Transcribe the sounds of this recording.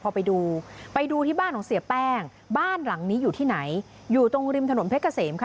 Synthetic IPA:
pʰɔː˧pa˧jduː˧pa˧jduː˧t̪ʰiː˥˩baː˥˩nk̪ʰɔː˨˩˦ŋsi˨˩˦əpɛː˥˩ŋ | baː˥˩nla˩˦ŋniː˦˥juː˨˩t̪ʰiː˥˩na˩˦j | juː˨˩t̪o˧ŋɾi˧mt̪ʰno˩˦npʰe˦˥tka˧seː˩˦mkʰa˥

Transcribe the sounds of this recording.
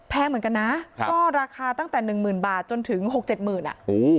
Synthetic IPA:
pʰɛː˧mɯ˨˦ənka˧nːa˦˥kɔː˥˩ɾaː˧kʰaː˧t̪a˥˩ŋt̪ɛː˨˩nɯ˨˩ŋmɯː˨˩nbaː˨˩t̪̚t͡ɕo˧nt̪ʰɯ˩˦ŋɦo˨˩k̚t͡ɕe˨˩t̪̚mɯː˨˩nʔa̰˩ʔʔoː˨˧˩

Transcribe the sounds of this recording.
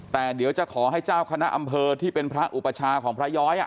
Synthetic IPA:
t̪ɛː˨˩di˩˦wt͡ɕa˨˩kʰɔː˩˦ɦa˥˩jt͡ɕaː˥˩wkʰa˧na˦˥ʔa˧mpʰɤː˧t̪ʰiː˥˩pe˧npʰɾa˦˥ʔu˨˩pːa˧t͡ɕʰaː˧kʰɔː˩˦ŋpʰɾa˦˥jɔː˦˥jʔa˨˩

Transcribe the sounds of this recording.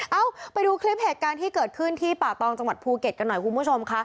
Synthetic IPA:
ʔaː˧˩wpa˧jduː˧kʰli˦˥p̚heː˨˩t̪̚kaː˧nt̪ʰiː˥˩kɤː˨˩t̪̚kʰɯ˥˩nt̪ʰiː˥˩paː˨˩t̪ɔː˧ŋt͡ɕa˧ŋwa˨˩t̪̚pʰuː˧ke˨˩t̪̚ka˧nːɔ˨˩jku˧nbu˦˥˩t͡ɕʰo˧mkʰa˦˥

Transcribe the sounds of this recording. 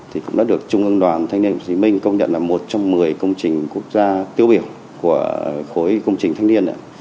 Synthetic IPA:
t̪ʰi˨˩kʊ̰˧˥ŋ͡mɗa̰ː˨˦˥ɗɨ˨˩ək̚t͡ɕʊ˧ŋ͡mʔɨ˧nɗwaː˨˩nt̪ʰa˧˦jŋni˧ə˧nkwti˨˦mï˧ŋ̟kə˧wŋ͡mɲə̰˧˨nlaː˨˩mo˨˩t̚t͡ɕɔ˧wŋ͡mːɨ˨˩əjkə˧wŋ͡mt͡ɕï˨˩ŋ̟ku˦˥ək̚zaː˧t̪i˧əwɓi˧˩əw | ku˧˩əxo˨˦jkə˧wŋ͡mt͡ɕi˨˩ŋt̪ʰa˨˧˦ŋni˧ənʔa̰ː˧˦

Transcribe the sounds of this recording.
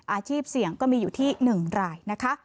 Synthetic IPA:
ʔaː˧t͡ɕʰiː˥˩p̚si˨˩˦əŋkɔː˥˩miː˧juː˨˩t̪ʰiː˥˩nɯ˨˩ŋɾaː˧jna˦˥kʰa˦˥

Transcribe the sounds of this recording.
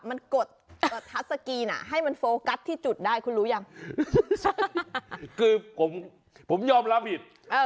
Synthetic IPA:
ma˧˩nko˨˩t̪̚ʔʔəː˨˩t̪ʰaː˨˥sa˧ki˧na̰ː˧˩ɦa˧˩jma˨˩nfo˨˧˦ka˦˥t̚t̪ʰiː˧˩t͡ɕu˨˩t̪̚ɗaː˧˩jkʰu˧˦lu˨˦za˧˩m˧ | kɨ˧kʊ˨˦ŋ͡m | ko˨˧˦ŋ͡mɲɔ˧˩mlaː˧vi˨˩ət̚ | ʔəː˧˩

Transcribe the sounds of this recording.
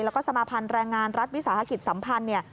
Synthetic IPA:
lɛː˦˥kɔː˥˩sa˧maː˧pʰa˧nɾɛː˧ŋːaː˧nɾa˦˥t̪̚wi˦˥saː˩˦ɦa˧ki˨˩t̪̚sa˩˦mpʰa˧nːi˥˩ɐ

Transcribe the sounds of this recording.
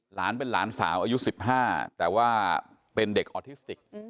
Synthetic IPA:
laː˩˦˥npe˧nlaː˩˦˥nsa̰ː˩˦mʔaː˧ju˦˥si˨˩p̚ɦaː˥˩t̪ɛː˨˩waː˥˩ | pe˧nde˨˩k̚ʔɔː˧t̪ʰi˦˥st̪i˨˩k̚

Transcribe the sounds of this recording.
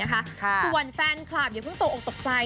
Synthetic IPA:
ɐkʰa˦˥kʰkʰɯː˧˩wa˧˩nfɛː˧nkʰlaː˨˩p̚jaː˨˩pʰɯ˥˩ŋt̪o˨˧˩ʔo˨˩t̪o˨˩k̚sa˧

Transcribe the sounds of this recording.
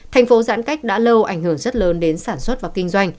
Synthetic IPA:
tʰɛ˨˩jŋ̟fo˨˦za̰ː˧˥nka˦˥jk̟̚ɗa̰ː˧˥lə˧wʔa˧˩jŋ̟hɨ˧˩əŋzə˦˥t̚ləː˨˦nɗe˨˦nsaː˧˩nswə˦˥t̚vaː˨˩wkï˧ŋ̟zwa˧jŋ̟

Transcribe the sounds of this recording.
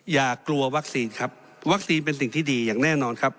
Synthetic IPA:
jaː˨˩kːlu˧ɐwa˦˥k̚siː˧nkʰa˦˥p̚ | wa˦˥k̚siː˧np̬e˧ns̬i˨˩ŋt̪ʰiː˥˩diː˧jaː˨˩ŋnɛː˥˩nɔː˧nkʰa˦˥p̚

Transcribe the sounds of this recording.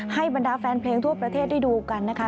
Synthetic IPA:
ha˥˩jba˧ndaː˧fɛː˧npʰleː˧ŋt̪ʰu˥˩ɐpɾa˧t̪ʰeː˥˩t̪̚d̪ʰiː˥˩duː˧ka˧nːa˦˥kʰa˦˥

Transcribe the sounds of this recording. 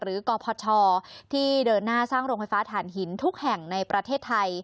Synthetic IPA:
ɾɯː˩˦kɔː˧pʰɔː˧t͡ɕʰɔː˧t̪ʰiː˥˩dɤː˧nːaː˥˩saː˥˩ŋɾo˧ŋfa˧jfaː˦˥t̪ʰaː˩˦nɦi˩˦nt̪ʰu˦˥k̚hɛ˨˩ŋna˧jpɾa˧t̪ʰeː˥˩t̪ʰːa˧j

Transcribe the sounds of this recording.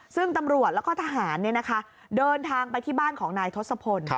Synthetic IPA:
sɯ˥˩ŋt̪a˧mɾu˨˩ət̪̚lɛ˦˥kɔː˥˩t̪ʰa˧ɦaː˩˦nːi˥˩ɐna˦˥kʰa˦˥ | dɤː˧nt̪ʰaː˧ŋpa˧jt̪ʰiː˥˩baː˥˩nkʰɔː˩˦ŋnaː˧jt̪ʰo˦˥t̪sa˧pʰo˧n

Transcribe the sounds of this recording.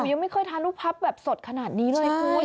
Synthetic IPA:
ja˧ŋma˥˩jkʰɤː˧˩jt̪ʰaː˧nɾu˥˩pʰːa˦˥p̚bɛː˨˩p̚so˨˩t̪̚kʰa˧naː˨˩t̪̚niː˦˥ɾɯ˥˩a˧˩puː˧˩

